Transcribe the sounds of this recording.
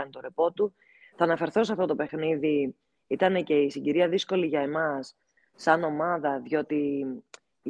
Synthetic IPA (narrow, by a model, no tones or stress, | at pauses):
ɐnt̪o̞ɾepo̞t̪u | θɐːnɐfe̞ɾθo̞seɐft̪o̞t̪o̞pe̞xniði | it̪ɐne̞ce̞isiɟiɾiɐðisko̞liʝɐe̞mɐsː | ɐno̞mɐðɐðʝo̞t̪i